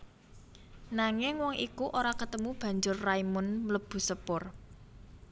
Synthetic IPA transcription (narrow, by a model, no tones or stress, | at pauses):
naŋɪŋwɔŋʔikuʔoɾakət̪əmub̥ä̤ɲd͡ʒʊrːaimʊnmələb̥ṳsəpʊr